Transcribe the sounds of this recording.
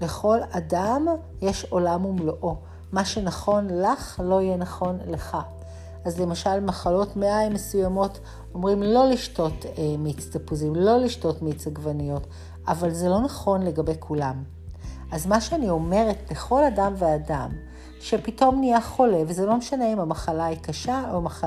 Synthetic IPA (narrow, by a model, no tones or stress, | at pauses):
be̞χo̞ladam | jeʃo̞lamumloʔo̞ | maʃe̞naχo̞nlaχlo̞ijenaχo̞nleχa | azle̞maʃalmaχalo̞tmeʔajmesujamo̞t | o̞mʁimlo̞liʃto̞tmit͡stapuzimlo̞liʃto̞tmit͡saɡvanijo̞t | avalzelo̞naχo̞nle̞ɡabejkʰulam | ʔazmaʃeanio̞me̞ʁet̚beχo̞ladamveadam | ʃepito̞mnijaχo̞le̞vzelo̞meʃaneimamaχalaikaʃaoma